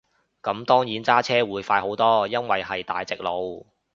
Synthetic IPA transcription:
kɐ˨˥mt̪ɔː˥ŋjiː˨˥nt͡saː˥t͡sʰɛː˥wuː˨˥jfaː˧jɦo˨˥wt̪ɔː˥jɐ˥nwɐ˨jhɐ˨jt̪aː˨˧jt͡sɪ˨k̚lo˨˧w

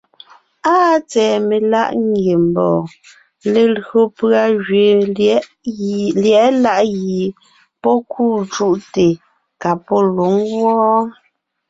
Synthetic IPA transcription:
aː˦t͡sɛː˨me˨la̰˦ʔŋ˦ɡje˨m˨bɔː˨ | le˨lɣo˨pɰa˨ʒɥe˨˦ | ljɛ˨˦la˦ʔɣi˨ | pɔ˦kʰuː˦˨t͡ʃu˦ʔte˨ | ka˨pɔ˦lu˨˦ŋɣwɔ˦

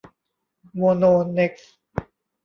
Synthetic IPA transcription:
mo˧noː˧ne˦˥k̚s

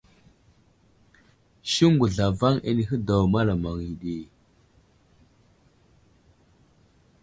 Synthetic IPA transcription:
ʃi˦ŋɡu˨ɮa˨va˦ŋḛ˨ni˨ɦə˦da˨wma˦la˨ma˨ŋi˨ɗi˨

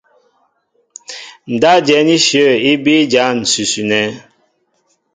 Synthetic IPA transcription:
n̩˨da˦d͡ʒɛ˨˦ni˦ʃjə˦˨i˦bi˦d͡ʒa˦n̩˨sʉ˨su˨nɛ˦

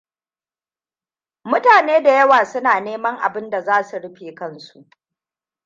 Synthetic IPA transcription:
mʊ˦taː˨neː˦da˨jɐ˦waː˨sʊ˦naː˨neː˦mɐ˦ŋʔa̰˨bɪ˦nda˨zaː˦su˨ɽɪ˦ɸeː˨kɐ˦nsu˨ʔ

